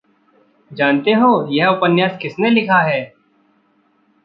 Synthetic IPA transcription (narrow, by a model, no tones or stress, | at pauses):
d͡ʒaːnt̪eɦoːjɛɦʊpənjaːskɪsnelɪkʰaɦɛː